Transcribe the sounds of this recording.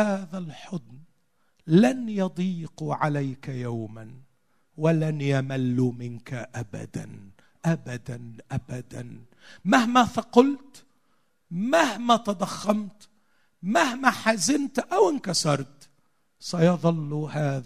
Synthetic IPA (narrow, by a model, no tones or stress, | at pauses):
aːðalħʊd̪n | lanjɑd̪ˤiːquʕalajkajawman | walanjamalːumɪnkaʔaba̰d̪a̰n | ʔabad̪anʔabad̪an | mahmaθaqʊlt̪ | mahmat̪ad̪ˤaxːɑmt̪ | mahmaħazɪnt̪ʔawɪnkɑsɑɾˤt̪ | sɑjɑðˤɑlːuhaːð